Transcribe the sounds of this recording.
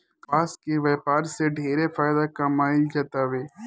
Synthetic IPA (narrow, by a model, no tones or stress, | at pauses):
aːskeʋeːpaːɾseɖʱeːɾefaːɪd̪akamaːɪld͡ʒɐt̪aːʋeː